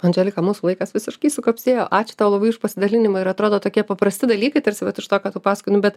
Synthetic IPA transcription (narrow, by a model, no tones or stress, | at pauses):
ɐnʲd͡ʒʲɛlʲɪkɐmuːsulˠɐɪkɐsʋʲɪsʲɪʃkɐɪsʊkɐpʲsʲeːjoːʔɑːt͡ʃʲɪ̥t̪ɑʋlˠɐbɐɪʊʃpɐsʲɪd̪ɐlʲɪnʲɪmɐɪɾɐt̪ɾoːd̪oːt̪oːkʲiɛpɐpɾɐsʲt̪ʲɪd̪ɐlʲiːkɐɪt̪ɐɾʲsʲɪʋɐt̪ɪʃt̪oːkɑːt̪uːpɑːsɐkʊnʲʊbʲɛt̪